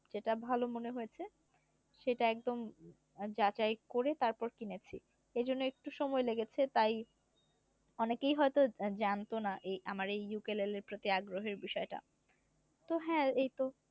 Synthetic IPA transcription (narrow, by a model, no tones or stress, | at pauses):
d͡ʑeʈabʱalomoneɦojet͡ɕʰe | ʃejʈaɛk̚d̪om | d͡ʑat͡ɕaekoɾet̪aɾpɔɾkinet͡ɕʰḭ | ed͡ʑonːoek̚ʈuʃɔmɔeleɡet͡ɕʰet̪aj | ɔnekejɦɔet̪od͡ʑant̪onaʔejamaɾejːukeleleɾpɾot̪iaɡɾoɦeɾbiʃɔeʈa̰ | t̪oɦɛ̃ejt̪o